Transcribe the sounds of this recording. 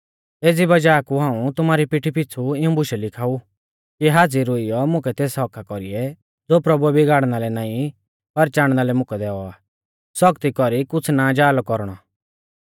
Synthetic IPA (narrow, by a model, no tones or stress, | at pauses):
eːd͡zibɐd͡ʒaːkuɦãːũt̪ʊmaːɾipɪʈʰipɪt͡sʰuɪũbʊʃɛlɪkʰaːu | kiɦaːd͡ziɾʊɪjɔmʊ̃kɛt̪eːsɦɔkʰakɔɾḭɛ | d͡zoːpɾɐbuɛbɪɡaːɽnalɛnaːĩ | pɐɾt͡ʃaːɽ̃nalɛmʊ̃kɛd̪ɛːɔaː | sɔkt̪ikɔɾikʊt͡sʰnad͡ʒaːlɔkɔɾɽ̃ɔ